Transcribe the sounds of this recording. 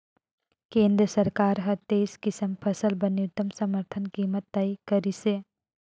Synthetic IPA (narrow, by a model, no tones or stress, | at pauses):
kẽːnd̪ɾəsɐɾkaːɾɦɐt̪eːskɪsəmpʰəsəlbɐnːjut̪ːəmsəməɾt̪ʰənkiːmət̪ːɐikəɾise